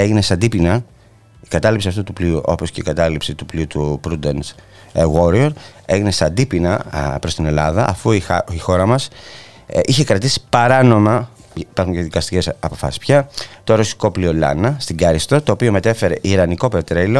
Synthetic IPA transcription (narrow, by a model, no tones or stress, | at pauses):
e̞ʝine̞sɐd̪ipinɐ | i̥kɐt̪ɐlipsiɐft̪ut̪upliuʔo̞̰po̞sce̞ikɐt̪ɐlipsit̪upliut̪upɾud̪ens | ɣwoɾioɾe̞ʝine̞sɐnd̪ipinɐpɾost̪ine̞lɐðɐʔːfuiixo̞ɾɐmɐs | içe̞kɾɐt̪isi̥pɐɾɐno̞mɐ | ipɐɾxuŋɲceðikɐst̪ice̞sɐpo̞fɐ̰si̥spçɐt̪o̞ɾo̞si̥ko̞pliolɐ̰nɐst̪iɡɐɾist̪o̞t̪o̞ːpio̞me̞t̪e̞fe̞ɾe̞ʔiɾɐniko̞pe̞t̪ɾejlo̞